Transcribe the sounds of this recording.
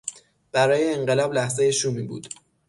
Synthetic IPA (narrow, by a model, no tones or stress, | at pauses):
b̥æɾɒːjeːɴɢe̞lɒːblæhze̞jeʃumiːbṵːd̪̥